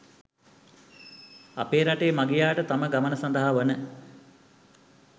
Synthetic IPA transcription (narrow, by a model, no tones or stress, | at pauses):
a̰peːɾaʈeːmaɡijaːʈət̪aməɡamənəsand̪əɦaʋənə